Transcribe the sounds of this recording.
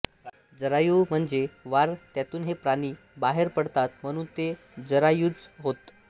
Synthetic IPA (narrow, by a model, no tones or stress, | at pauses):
d͡zəɾajum̤əɳd͡zeʋaɾt̪jat̪uːnɦepɾaɽ̃iː | baɦeɾpəɽt̪at̪m̤əɽ̃uːnt̪e | d͡zəɾajut͡sɦot̪